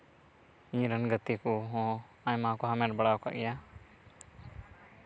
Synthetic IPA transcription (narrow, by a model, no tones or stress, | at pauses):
ĩɲɾənɡət̪ikuɦɔ̃ | aɲmakɔɦamɛʈ̚bəɽaɔka̰ʔɡɛja